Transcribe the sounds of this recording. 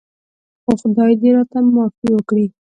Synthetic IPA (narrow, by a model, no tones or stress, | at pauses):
xoxʊd̪ɑjd̪eɾɑt̪amːɑkiwəkɽi